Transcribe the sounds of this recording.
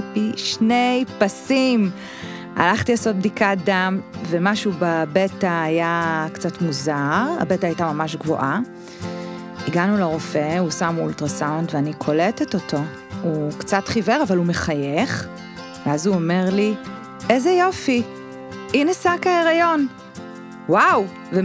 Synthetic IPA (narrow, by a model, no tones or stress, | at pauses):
piʃnejpasim | a̰laχt̪ilasot̚bdikat̚damvemaʃubabetaːjakt͡satmuzaʁa̰betaːjtamamaʃɡvo̰ʔa | iɡanuleʁo̞fehusamṵltʁasawntveanikʰo̞letetoto̞ | ukt͡satχiveʁavalumeχajeχ | veazuome̞ʁli | ʔezejo̞fi | ʔinasakaeʁajo̞n | waw | ve